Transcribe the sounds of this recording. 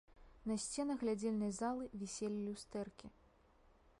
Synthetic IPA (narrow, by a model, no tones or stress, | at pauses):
nɐsʲt͡sʲɛnɐɣlʲad͡zʲelʲnɐjzalˠɨvʲisʲelʲilʲust̪ɛrkʲi